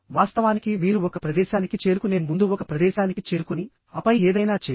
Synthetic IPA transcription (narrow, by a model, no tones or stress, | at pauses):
ʋaːst̪ɐʋaːnikimiːɾuɔkɐpɾɐd̪ɛːʃaːnikit͡ʃe̞ːɾukune̞ːnmund̪uɔkɐpɾɐd̪ɛːʃaːnikit͡ʃe̞ːɾukuni | ɐpɐjeːd̪ɐjnaːt͡ʃeː